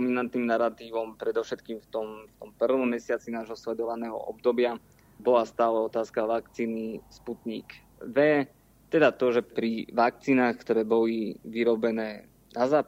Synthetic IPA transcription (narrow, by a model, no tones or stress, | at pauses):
minant̪nimnaɾat̪iːʋɔmpɾɛd̪ɔʊʃɛt̪kiːmft̪ɔmft̪ɔmpr̩ʋɔmːɛsɪat͡sinaːʒɦɔslɛd̪ɔʋanɛːɦɔ̰ʔɔb̚d̪ɔbɪa | bɔlast̪aːlɛɔt̪aːskaʋakt͡siːnisput̪ɲḭːk | ʋɛ | t̪ɛd̪at̪ɔʒɛpɾiʋak̚t͡siːnaːxkt̪ɔɾɛːbɔliʋiɾɔbɛnɛː | nazaːp